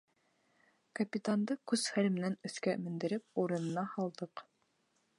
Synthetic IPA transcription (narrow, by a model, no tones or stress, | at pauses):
kɐpʲit̪and̪ɤkʉzχælmɘ̆nænɵ̆θkæmɘ̆nd̪ɘ̆ɾɘp̚uɾɤ̆nɤ̆nɑhɑlˠd̪ɤq